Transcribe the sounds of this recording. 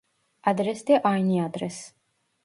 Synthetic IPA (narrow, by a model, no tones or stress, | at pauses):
ad̪ɾɛsd̪ɛʔajniad̪ɾɛs